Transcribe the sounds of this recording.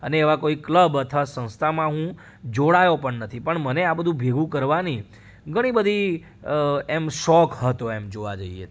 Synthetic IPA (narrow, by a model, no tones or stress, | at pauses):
əneːʋakoikləbət̪ʰʋasə̃ñst̪ʰamãɦũ | d͡ʒoɽajopəɳnət̪ʰipəɳməneabəd̪ʱũbʱeɡʱũkəɾʋani | ɡʱəɽ̃ibəd̪ʱi | emʃɔkɦət̪oemd͡ʒoʋa̰d͡ʒəiḛ